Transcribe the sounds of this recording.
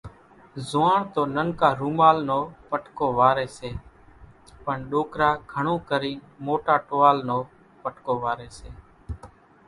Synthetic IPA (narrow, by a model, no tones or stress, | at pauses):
zʊʋaːɳt̪oːnənkaːɾuːmaːlnoːpəʈkoːʋaːɾeːseː | pəɳɗoːkɾaːɡʱəɳõːkəɾiː | moːʈaːʈoːaːlnoː | pəʈkoːʋaːɾeːseː